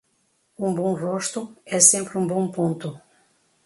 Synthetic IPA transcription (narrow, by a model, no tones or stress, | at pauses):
ũbõroʃt̪ʊɛsẽmpɾɪũbõpõnt̪ʊ